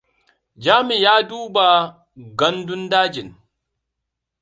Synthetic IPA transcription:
d͡ʒaː˦mi˨jaː˦duː˦ba˨ | ɡɐ˦ndʊ˦ndaː˦d͡ʒɪ˨n

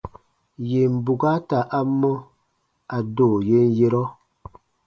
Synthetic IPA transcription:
je˨m̩˨bu˨ɡa˦ta˨ʔa˦mːɔ˦ | a˨doː˦˨je˦n˦je˦ɾɔ˦

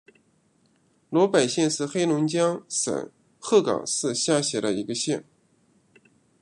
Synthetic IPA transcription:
lwɔ˧˥pa˨˩ɪɕjɛ˥˧nʂɻ̩˥˧xe˥ɪlʊ˧˥ŋt͡ɕjɑ˥ŋʂə̰˨˩˦n | xɤ˥˩kɑ̰˨˩ŋʂɻɹ̩˥˧ɕja˥˩ɕjɛ˧˥də˧i˧˥ɡə˧ɕjɛ˥˩n

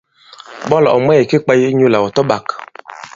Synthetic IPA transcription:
bɔ˦lɔ̰˨ɔ˨mwɛ˦˨ji˨ki˦k͡pa˦ji˦ɲu˦la˨wɔ˨tɔ˦ba˨k

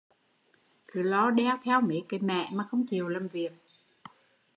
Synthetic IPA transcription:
kɨ˨˦lɔ˧˦ɗɛ˧wt̪ʰɛ˧wme˨˦ka˨˦mɛ̰˧˨maː˨˩xə˧wŋ͡mt͡ɕi˨˩əwlaː˨˩mvi˨˩ək̚

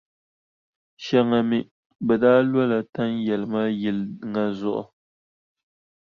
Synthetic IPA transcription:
ʃɛ˦ŋa˨mi˦ | bɛ˨daː˦lwɔ˦la˨ta˦ŋjɛ˨lɨ˨ma˦jɪ˨lŋa˦zʊ˨ʔʊ̰˨

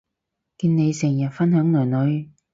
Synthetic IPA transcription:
kiː˧nne˨˧jsɪ˨˩jɐ˨˩t̚fɐ˥nhœː˨˥ŋlɵː˨˩jnɵ˨˧ɥ

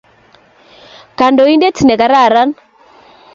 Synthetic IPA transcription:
ka˨ndɔ˨i˦nde˦ti˨nɛ˨ka˨ɾa˦˨ɾa˦n

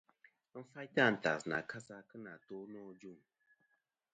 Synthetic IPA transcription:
m̩˦fa˦jta˦˨n̩˨ta̰˨sna̰˨ka˦sa˦kɨ˦na˨to˦nɔ˦d͡ʒu˦˨ŋ

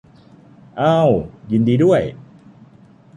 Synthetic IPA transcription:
ʔaː˥˩wji˧ndiː˧du˥˩əj

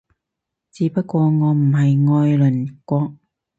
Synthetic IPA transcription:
t͡siː˨˥pɐ˥t̚kʷɔː˧ŋɔː˨˧m̩˨˩ɦɐ˨jŋɔː˧jlɵ˨˩nkʷɔː˧k̚

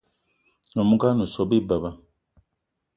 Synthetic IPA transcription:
no˨mu˦ka˦nu˨sɔ˨bi˦˨ba˨ba˦

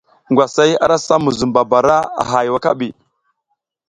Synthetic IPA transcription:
ŋɡʷwa˨sa˦ja̰˦ɾa˦sa˦mu˨zu˨mba˨ba˨ɾa˦a̰˨ɦa˨jwa˦ka˦bi˨

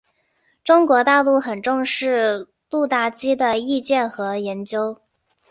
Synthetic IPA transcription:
ʈ͡ʂʊ˥ŋkwɔ˧˥t̪a˥˧lu˥˩xə˨˩nʈ͡ʂʊ˥˧ŋʂɻ̩˥˧ | lu˥˧t̪a˥˩t͡ɕi˥d̪ə˨i˥˧t͡ɕjɛ˥˩nxɤ˧˥jɛ˧˥nt͡ɕjo˥ʊ

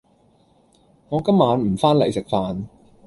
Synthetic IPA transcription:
ŋɔː˨˧kɐ˥mːaː˨˧nm̩˨˩faː˥nlɐ̰˨˩jsɪ˨˩k̚faː˨n

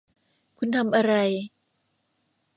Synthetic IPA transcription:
kʰu˧nt̪ʰa˧mʔa˧ɾa˧j

